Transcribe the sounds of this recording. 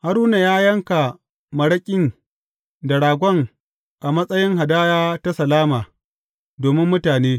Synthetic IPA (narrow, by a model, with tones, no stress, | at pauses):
ha˨ɾuː˦na˨jaː˦jɐ˦ŋka˨ | mɐ˨ɽɐ˦kʲʼɪ˦n | dɐ˨ɽaː˨ɡʷɔ˦ŋ | ʔa˨mɐ˦sʼɐ˦jɪ˦ŋɦa˨daː˦jaː˦ta˦sɐ˨laː˦maː˨ | doː˨mɪ˦mːʊ˦taː˨neː˦